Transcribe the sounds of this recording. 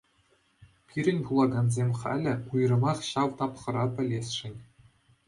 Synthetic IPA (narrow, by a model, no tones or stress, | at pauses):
pʲʰiɾʲɘ̆nʲpulˠɑɡɑnzʲemʲχæ̰lʲɘ̆ujrɤ̆mɑχɕɑʋt̪ɑpχɤ̆ɾɑpʲɘ̆lʲesʲʂɘ̆nʲ